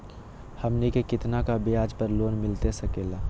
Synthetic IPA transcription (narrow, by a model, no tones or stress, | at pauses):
həmnikekɪt̪nakabɪjaːd͡ʒpəɾloːnmɪlt̪esɐkeːlaː